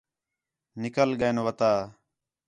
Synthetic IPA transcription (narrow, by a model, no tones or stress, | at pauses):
nɪkəlɡəːnʋət̪aː